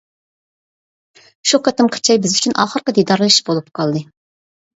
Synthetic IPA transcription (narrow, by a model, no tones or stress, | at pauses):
ʃuqʰɑt̪ɨmqʰə̥t͡ʃʰɑjbɪzyt͡ʃʰynʔɑ̰ːχəɾqəd̪id̪ɑɾlˠɨʃbolˠupqʰɑlˠd̪ɨ